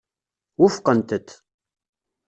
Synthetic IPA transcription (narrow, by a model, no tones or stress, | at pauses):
wʊfqənt̪ət̪